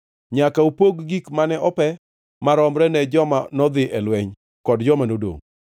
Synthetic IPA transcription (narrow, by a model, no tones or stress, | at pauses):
ɲakaupoɡɡikmanɛʔɔpɛ | maɾɔmɾɛnɛd͡ʒɔmanɔd̪ɪʔɛlwɛɲ | kɔdd͡ʒɔmanodo̰ŋ